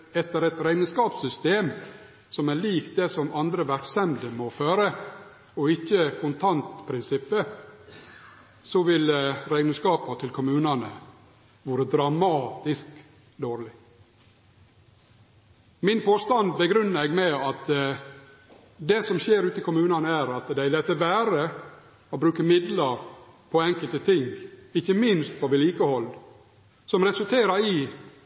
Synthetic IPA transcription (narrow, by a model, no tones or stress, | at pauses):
ɛt̪ːəɾɛt̪ɾæɪnəskɑːpsʏst̪eːm | sɔmæɭiːkt̪̚d̪ɛsɔmɑnd̪ɾəʋæɾksɛmd̪əmɔføːɾə | ɔɪçːəkʰʊnt̪ʰɑnt̪pʰɾɪnsɪpːə | sɔʋɪlɾæɪnəskɑːpɑt̪ʰɪlkʰʊmʉːnɑnə | ʋoːɾəd̪ɾɑmɑːt̪ɪsk | d̪oːɾlɪ | mɪnpʰoːst̪ɑnd̪bəɡɾʏnːɾɛːɡmɛɑt̪ | d̪ɛsɔmʃeːɾʉːt̪əkʊmʉːnɑnəæɾɑt̪d̪æɪlɛt̪ːəʋæːɾə | ɔbɾʉːkəmɪd̪ləɾpʰɔɛŋkəlt̪ət̪ʰɪŋɪçːəmɪnst̪fɔʋɪliːkəhɔlː | sɔmɾɛsʉlt̪ʰeːɾɑɾɪ